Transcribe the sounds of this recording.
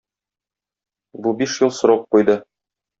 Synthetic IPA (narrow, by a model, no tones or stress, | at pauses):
bubiʃjɤlˠsŏɾoq̚qujd̪ɤ